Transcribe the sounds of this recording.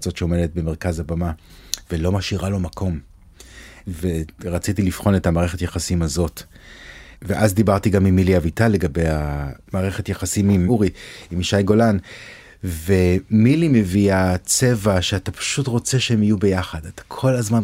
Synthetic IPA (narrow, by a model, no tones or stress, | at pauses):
t͡so̞tʃeo̞me̞det̚be̞me̞ʁkazabama | velo̞maʃiʁalo̞makʰo̞m | ve̞ʁat͡sitilifχo̞nethamaːʁe̞χe̞tjeχasimazo̞t | veʔazd̪ibaʁtiɡamimːiliavitale̞ɡabe̞jamaːʁeχe̞tjeχasimimuʁiimiʃajɡo̞lan | ve̞milime̞viat͡se̞vaʃeatapḁʃutʁo̞t͡se̞ʃehemijube̞jaχadatḁkʰo̞lazman